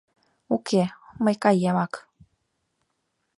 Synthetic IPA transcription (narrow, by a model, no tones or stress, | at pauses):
ukʰeməjkajːemak